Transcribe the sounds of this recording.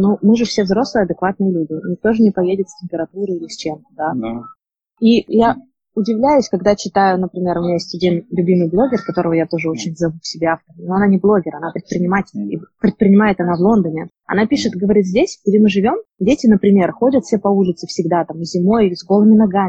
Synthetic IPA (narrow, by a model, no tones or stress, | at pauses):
numɨʐɨfsʲe̞vzɾo̞slˠɨjəɐd̪ɨkvat̪̚nɨjəlʲudʲɪnʲɪk̚t̪o̞ʐɨnʲɪpɐjedʲɪt̪sʲtʲɪmʲpʲɪɾɐt̪uɾɨilʲɪsʲt͡ɕemt̪əd̪a | ija | ʊdʲɪvlʲæjʊsʲkɐɡd̪at͡ɕɪt̪ajʊnəpɾʲɪmʲe̞ɾʊmʲɪnʲajesʲtʲɐdʲinlʲʉbʲimɨjblˠo̞ɡʲɪrkɐt̪o̞ɾəvəjat̪o̞ʐɨo̞t͡ɕɪnʲvzɐvufsʲɪbʲeaft̪əɾnoɐnanʲɪblˠo̞ɡʲɪɾɐnapɾʲɪt̪pɾʲɪnʲɪmatʲɪlʲḭpɾʲɪt̪̚pɾʲɪnʲɪmajɪt̪ɐnavlˠo̞nd̪ənʲɪ | ɐ̰n̪apʲiʂɨt̪ɨɡəvɐɾʲit̪zʲdʲesʲɡdʲemɨʐɨvʲo̞mdʲetʲɪnəpɾʲɪmʲe̞rxo̞dʲət̪fʲsʲepɐulʲɪt̪sɨfsʲɪɡd̪at̪amzʲɪmo̞jzɡo̞lˠəmʲɪnɐɡaɪ